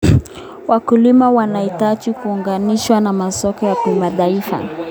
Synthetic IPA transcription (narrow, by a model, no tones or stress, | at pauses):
wakulimawanaitat͡ʃikuːŋɡaniʃwanamasɔkɔjakimaɗaifa̰